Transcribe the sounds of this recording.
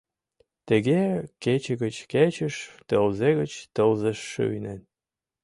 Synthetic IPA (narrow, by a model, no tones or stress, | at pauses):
t̪əɣeket͡ɕəɣət͡ɕket͡ɕəʃt̪əlzeɣə̆t͡ɕt̪əlzəʃːø̰yjnen